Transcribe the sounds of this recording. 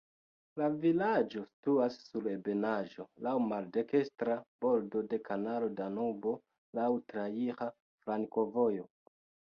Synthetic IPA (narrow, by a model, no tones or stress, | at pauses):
lavilad͡ʒo̞stuasːuɾe̞be̞naʒo̞lawmalde̞ke̞stɾab̥o̞ldo̞de̞kʰanalo̞danubo̞ | lawtɾaiχa | fɾaŋko̞vo̞jo̞